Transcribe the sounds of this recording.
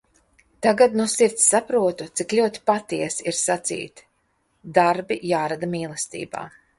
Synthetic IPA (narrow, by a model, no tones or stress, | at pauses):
t̪aɡad̪nusiɾt̪sːapɾuɔt̪ut̪siklʲuɔt̪i̥pat̪iɛsiɾsat̪sḭːt̪ | d̪aɾbijaːɾad̪amiːlˠɛst̪ḭːba̰ː